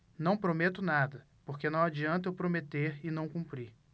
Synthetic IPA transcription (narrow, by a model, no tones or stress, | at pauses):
nɐ̃w̃pɾomet̪ʊnad̪ɐ | poɾkenɐ̃w̃ad͡ʒiɐ̃nt̪ʊewpɾomet̪eɾɪnɐ̃w̃kũmpɾi